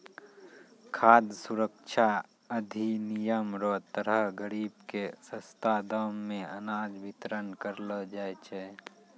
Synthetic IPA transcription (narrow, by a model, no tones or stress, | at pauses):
kʰaːd̪suɾəkʃʰa | əd̪ʱinijəmɾət̪əɾəɦɡəɾiːbkesə̃st̪ad̪əːmːẽənaːd͡ʒbʱɪt̪ɾənkəɾləd͡ʒaːet͡ʃʰe